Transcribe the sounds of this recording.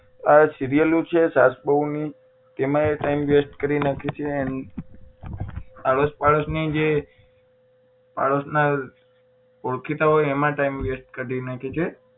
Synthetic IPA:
asiɾijəlũt͡ʃʰesasbəuni | t̪emãeʈaimʋesʈkəɾinakʰet͡ʃʰeən | aɭospaɭosnid͡ʒe | pa̰ɭosna | oɭkʰit̪aɦojɛmãʈaimʋesʈkəɾinakʰet͡ʃʰe

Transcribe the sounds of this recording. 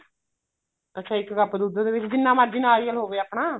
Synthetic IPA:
ətːʃʰaːɪkɡəpd̪uːd̪d̪eːʋɪt͡ʃd͡ʒɪnːãːmaːd͡ʒiːnãːɾijəlɦoːʋeːaːpɳaː

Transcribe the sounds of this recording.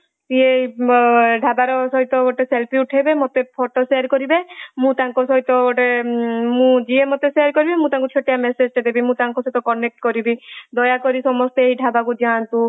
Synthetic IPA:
t̪ie | ɖʱabaɾɔsɔɦit̪ɔoʈeselpiuʈʰɦebemot̪epʰoʈoseaɾkɔɾibemũt̪aŋkɔsɔɦit̪ɔoʈemũd͡ʒiemɔt̪esejaɾkɔɾibemũt̪ãŋkut͡ʃʰoʈijamesed͡ʒʈed̪ebimũt̪aŋkɔsɔɦit̪ɔkɔnek̚ʈkɔɾibid̪ɔjakɔɾisɔmɔst̪ɔeɦiɖʱabakud͡ʒant̪ũ

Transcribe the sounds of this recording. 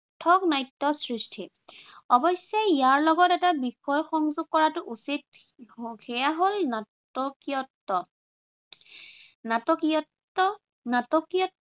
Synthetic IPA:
tʰɔknajtːɔsɹistʰi | ɔbɔsɛijaɹlɔɡɔtɛtabixɔjxɔŋzʊɡ̚kɔɹatʊʔusit | xɛjaɦolna | ɔkiɔtːɔ | natɔkː | ɔ | natɔkiɔ

